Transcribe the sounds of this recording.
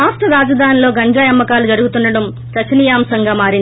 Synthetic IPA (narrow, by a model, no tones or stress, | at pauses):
aːsʈɐɾaːd͡ʒɐd̪ʱaːnilo̞ːɡɐɲd͡ʒaːjɐmːɐkaːlud͡ʒɐɽuɡut̪unːɐɽɐm | t͡ʃɐt͡ʃːɐnijaːmsɐŋɡaːmaːɾind̪